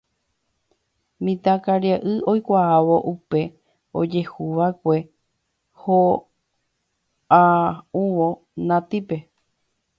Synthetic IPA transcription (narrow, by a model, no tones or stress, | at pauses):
mĩt̪akaɾjaʔɨo̞jkʷaaʋo̞ʔupe̞ | o̰d͡ʒe̞huʋakʷe̞ | ho | auʋo | nãt̪ipe̞